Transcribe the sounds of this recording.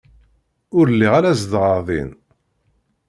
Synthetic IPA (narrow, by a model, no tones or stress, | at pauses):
ʊɾlːiʁaɾæzd̪ʁəɾðˤḭn